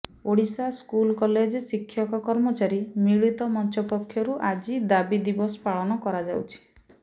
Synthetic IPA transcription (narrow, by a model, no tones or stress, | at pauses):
oɽisaskulkɔled͡ʒsikʰːjɔkɔkɔɾmɔt͡ʃaɾimiɭit̪ɔmɔnt͡ʃɔpɔkʰːjɔɾuʔad͡ʒid̪abid̪ibɔspaɭɔnɔkɔɾad͡ʒawt͡ʃʰi̥